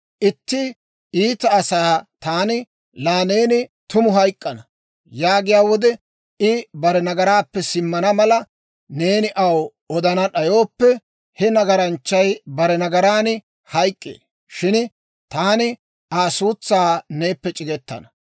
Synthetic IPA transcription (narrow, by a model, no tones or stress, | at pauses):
ʔɪt̪ːɪ | iːt̪ɐːsaːt̪aːnɪ | laːne̞ːnɪt̪ʊmʊɦɐjkʼːɐnɐ | jaːɡɪjaːwɔd̪ɛ | ɪbɐɾɛnɐɡɐɾaːpːɛsɪmːɐnɐmɐlɐ | ne̞ːnɪʔɐw | ɔd̪ɐnɐɗɐjo̞ːpːɛ | hɛnɐɡɐɾɐnt͡ʃːɐjbɐɾɛnɐɡɐɾaːnɪ | hɐjkʼːḛː | ʃɪn | t̪aːnɪ | aːsuːt͡sːaːne̞ːpːɛt͡ʃʼɪɡɛt̪ːɐ̰nɐ